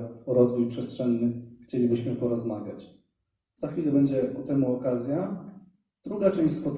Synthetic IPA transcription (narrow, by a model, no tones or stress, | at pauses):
ɾɔzvujpʂɛstʂɛnːɘxt͡ɕelʲibɘɕmɘpɔɾɔzmaɡʲjat͡ɕ | z̥axfʲilɛbɛɲd͡ʑɛkut̪ɛmuɔkazʲja | d̪̥ɾuɡat͡ʂɛ̃ɕʲspɔt̪